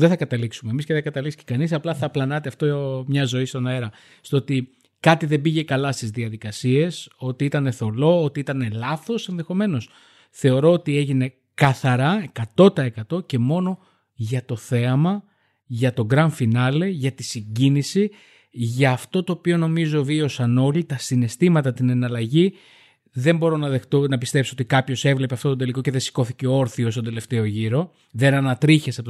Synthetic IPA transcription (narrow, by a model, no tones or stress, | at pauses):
ðeθɐkɐt̪ɐliksumemisceðeɡɐt̪ɐlikscekɐnisɐplɐθɐplɐnɐt̪eɐft̪omɲɐzo̞ist̪o̞noeɾɐ | st̪oo̞t̪i | kɐt̪iðe̞biʝe̞kɐlɐst̪izðiɐðikɐsie̞so̞t̪iit̪ɐne̞θo̞lo̞ot̪iit̪ɐne̞lɐθo̞se̞nðe̞xo̞me̞no̞s | θe̞o̞ɾo̞ot̪ie̞ʝine̞ | kɐθɐɾɐe̞kɐt̪o̞t̪ɐekɐt̪o̞ce̞mo̞no̞ | ʝɐt̪o̞θe̞ɐmɐ | ʝɐt̪o̞ɡɾɐɱfinɐle̞ʝɐt̪isiɲɟinisi | ʝɐːft̪o̞t̪o̞ːpio̞no̞mizo̞vio̞sɐno̞lit̪ɐsine̞st̪imɐt̪ɐt̪ine̞nɐlɐʝi | ðe̞mbo̞ɾo̞nɐðet̪onɐpist̪e̞psio̞t̪ikɐpço̞se̞vle̞peɐft̪o̞t̪od̪e̞liko̞ce̞ðe̞si̥ko̞θice̞oo̞ɾθio̞st̪ond̪e̞le̞ft̪e̞o̞ʝiɾo̞ | ðe̞nɐnɐt̪ɾiçesɐpo